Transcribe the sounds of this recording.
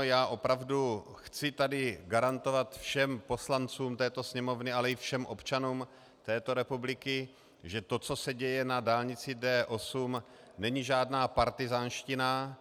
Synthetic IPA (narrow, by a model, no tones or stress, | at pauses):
jaːʔo̞pɾavdu | xt͡sɪt̪adɪɡaɾant̪o̞vat̪fʃɛmpo̞slant͡suːmt̪ɛːt̪o̞sɲɛmo̞vnɪalɛɪfʃɛmʔo̞̰pt͡ʃanuːm | t̪ɛːt̪o̞ɾɛpublɪkɪ | ʒɛt̪o̞t͡so̞sɛɟɛjɛnadaːlɲɪt͡sɪdɛːʔo̞sum | nɛɲɪʒaːdnaːpaɾt̪ɪzaːnʃcɪna